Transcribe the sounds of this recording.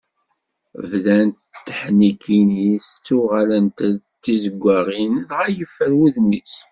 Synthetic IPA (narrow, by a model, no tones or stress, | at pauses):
vðænt̪t̪ːəħnikʰinist͡sːuʁalənt̪t͡sːizəɡʷːæʁinðʁajəfːəɾwuðmis